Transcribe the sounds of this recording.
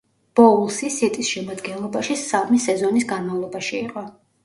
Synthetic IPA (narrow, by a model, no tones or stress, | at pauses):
b̥ɔulˠsisit̪ʼisʃɛmad̪ɡɛnlˠɔbaʃisamisɛzɔnisɡanmavlˠɔbaʃiːqʼɔ